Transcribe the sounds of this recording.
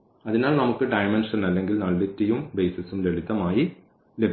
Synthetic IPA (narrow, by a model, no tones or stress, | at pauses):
ɐðinaːlnɐmukːɨɖɐjmenʂɐnɐlːe̞ŋɡilnɐlːitːɐjumbe̞ːsɐsumleɽit̪ːɐmaːji | lebʱ